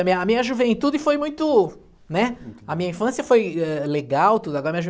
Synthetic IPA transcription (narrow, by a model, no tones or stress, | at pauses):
ɐmĩɐɐmĩɲɐʒuvẽnt̪ud͡ʒɪfojmũj̃t̪ʊ | nɛɐmĩɲɐĩfɐ̃siɐfojɛleɡawt̪ud̪ʊaɐɡɔɾɐmĩɐʒu